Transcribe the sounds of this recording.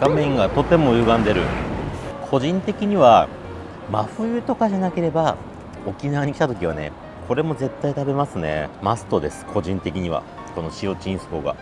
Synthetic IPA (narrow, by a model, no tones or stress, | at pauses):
ɡ̥amẽ̞ŋɡat̪o̞t̪e̞mo̞jɯ̟ːɡãnd̪e̞ɾɯ̟̰ | kʰo̞ʑĩnt̪e̞kʲiɲ̟iβa | maɸɯ̟jɯ̟t̪o̞kaʑanake̞ɾe̞ba | o̞kʲinaβaɲ̟ikʲit̪at̪o̞kʲiβ̞ane̞̰ | kʰo̞ɾe̞mo̞ze̞t̪ːait̪abe̞masɨne̞̰masɨ̥t̪o̞d̪e̞sɨ̥kʰo̞ʑĩnt̪e̞kʲiɲ̟iβa̰ | ko̞no̞ɕio̞t͡ɕĩɰ̃sɨ̥ko̞ːɡa̰